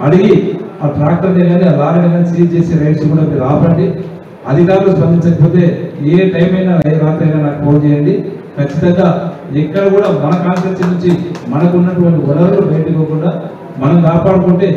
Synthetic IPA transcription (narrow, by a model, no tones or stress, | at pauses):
ɐɽiɡiaːʈɾaːk̚ʈɐɾdeɡɐːniɐlaːɾɐɐnɐnsiːt͡ʃe̞ːseːɾɐjʈskuːɽaːbiɾaːpɐɳɖi | ɐd̪ʱikaːɾuluspɐnd̪iɲt͡ʃɐkɐpo̞ːt̪e̞ːeːʈɐjmɐjnaːɾɐɾaːt̪ɾɐjnaːnaːkupoːnt͡ʃɛːjɐɳɖi | kʰɐt͡ʃːit̪ɐŋɡaːɛkːɐɽɐkuːɽaːmɐnɐkaːnsɐɾsɐnuɲt͡ʃimɐnɐkunːɐʈuʋɐɳʈiɔlɐɾlubɐjɐʈikoːkuɳɖaː | mɐnɐmkaːpaːɽɐkuɳʈe̞ː